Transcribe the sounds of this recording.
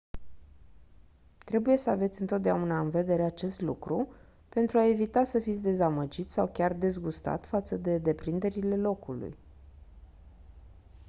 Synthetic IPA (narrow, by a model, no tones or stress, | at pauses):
t̪ɾe̞buje̞səave̞t̪sʲɨnt̪o̞t̪̚d̪eaunaɨnve̞d̪e̞ɾe̞at͡ʃe̞st̪lukɾu | pe̞nt̪ɾuae̞vit̪asəfit̪sʲd̪e̞zaməd͡ʒit̪sʲsawkʲard̪e̞zɡust̪a̰t̪fat̪səd̪e̞d̪e̞pɾind̪e̞ɾile̞lo̞kṵlṵj